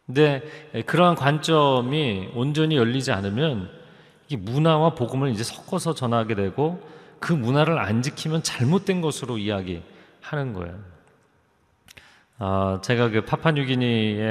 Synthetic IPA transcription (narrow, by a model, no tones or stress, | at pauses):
ne̞kɯɾʌɦankwant͡ɕ͈ʌmiond͡ʑʌɲijʌʎːid͡ʑianɯmjʌn | emunawapoɡɯmɯɭid͡ʑe̞sʰʌ̥k͈ʌsʰʌt͡ɕʌnɦaɡe̞dwe̞ɡokɯmunaɾɯɾa̰nd͡ʑikʰimjʌnt͡ɕaɭmot̚t͈wenɡʌsʰɯɾoiaɡḭ | hanɯnɡʌ̰ḛjo | at͡ɕe̞ɡakɯpʰapʰaɲuɡiɲie